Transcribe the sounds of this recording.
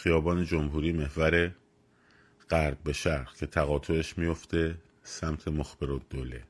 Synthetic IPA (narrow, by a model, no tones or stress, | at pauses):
xijɒːbɒːned͡ʒomɦuːɾiːme̞hvæɾe̞ | ɢ̥æɾb̚be̞ʃæɾcʰe̞t̪ʰæɣɒːt̪ʰo̞eʃmijo̞ft̪ʰe̞ | sæmt̪ʰe̞moxb̥eɾod̪̥ːoːlḛ